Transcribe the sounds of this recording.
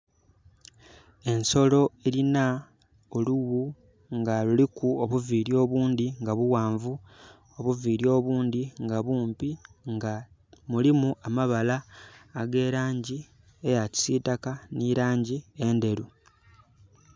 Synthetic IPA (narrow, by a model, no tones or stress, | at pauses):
e̞nso̞lo̞e̞ɾina | oluɣu | ŋɡalulikuoβuviːɾjo̞ːβuːnd̪iŋɡaβuwaːɱvu | oβuviːɾjo̞ːβuːnd̪iŋɡaβuːmpiŋɡa | mulimuʔamaβalaːɡe̞ːɾaːɲɟi | ejaci̥siːtakaniɾaːɲɟie̞nde̞ɾu